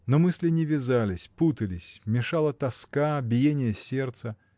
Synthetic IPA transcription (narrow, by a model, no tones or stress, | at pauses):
nomɨsʲlʲɪnʲɪvʲɪzalʲɪsʲput̪əlʲɪsʲmʲɪʂalˠət̪ɐskabʲɪjenʲɪjəsʲe̞rt̪sə